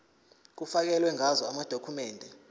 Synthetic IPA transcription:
k̬ufak̬ɛlwɛŋazɔamad̥ʱokʰumɛːndʱɛ

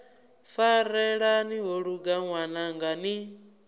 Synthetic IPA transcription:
faɾɛɺaniɦoɺuɡaŋwanaŋɡani

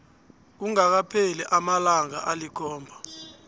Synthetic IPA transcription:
k̬uŋak̬apʰɛlɛʔamalaŋa̰ʔalikʰɔːmbʱa

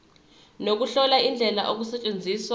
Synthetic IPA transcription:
nok̬uɬɔlaind͡ɮʱɛla̰ʔok̬usɛt͡ʃʼend͡zʱiːswa

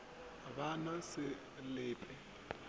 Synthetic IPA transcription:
βanɔsɪ | lɪːpʼʰɛ

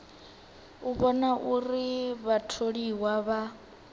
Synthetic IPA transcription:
uβɔnaʔuriβatʰoɺiwaβa

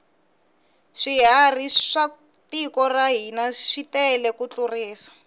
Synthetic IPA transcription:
ʂiɦariʂa | tikɔraɦinaʂitɛlɛkut͡ɬuriːsḁ

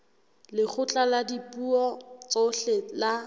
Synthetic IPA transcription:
lɪk͡xʰʊt͡ɬʼaladipʼuɔt͡sʼoɬɛla

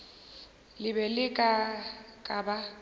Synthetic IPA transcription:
lɪbɛlɪkʼakʼaba

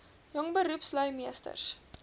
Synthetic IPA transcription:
jɔŋbəɾupslœɥmiəstə̰rs

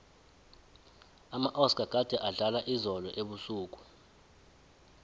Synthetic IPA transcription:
amaʔɔsɡʱʼaɡ̥ʱad̥ʱɛʔaɮalaʔizɔlɔʔeɓusuːk̬u̥

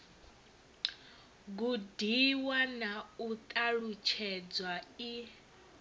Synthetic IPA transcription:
ɡudiwanaut̪ʼaɺut͡ʃʰɛd͡zwai

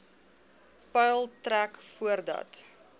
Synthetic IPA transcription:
pɛjlˠtrækfuərdɐ̰t

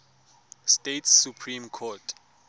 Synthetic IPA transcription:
stetʰssupʰrimkʰɔtʰ

